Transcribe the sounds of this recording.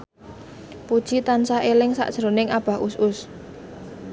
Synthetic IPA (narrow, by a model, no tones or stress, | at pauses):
pud̥ʒ̥it̪ansaelɪŋsa̰ʔd̥ʒ̥əɾonɪŋab̥a̤ɦusʊs